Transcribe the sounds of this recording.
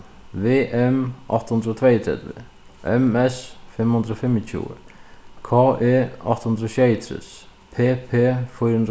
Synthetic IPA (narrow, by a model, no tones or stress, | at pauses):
ʋeːʔɛmʔɑ̰ht̪hʊnd̪ɾəoːt̪ʰvɛɪt̪ʰɾɛ̰d̪ʋḛ | ʔɛ̰mɛsfɛmhʊnd̪ɾəoːfɛmɪt̪ʰjṵːə̰kʰɑːʔeːɑ̰t̪hʊnd̪ɾoʃeɪt̪ʰɾɪ̰s | pʰeːpʰeːfɔɾhnd̪